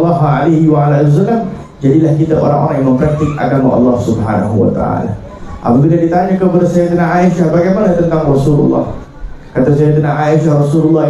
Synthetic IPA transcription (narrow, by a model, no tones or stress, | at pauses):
lːɑɦalehiwaalalws̬alːam | d͡ʒadilahkit̪aʔo̰ɾaŋʔo̰ɾaŋjaŋməmpɾant̪ɪk̚ʔa̰ɡamaʔɑ̰lːɑhsubħa̰na̰ɦuwa̰t̪a̰a̰la̰ | ʔa̰pək̪idadit̪aɲakəpadasajat̪ənaŋaiʃahbaɡajmanat̪ənt̪aŋrɔsulṵlːɑ̰h | kat̪as̬ajat̪ənaŋaiʃahrasululːɑ